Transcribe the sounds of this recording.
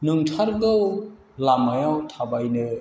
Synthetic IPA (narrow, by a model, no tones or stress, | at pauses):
nɯŋtʰaɾɡɯw | lamajawtʰabajnɯ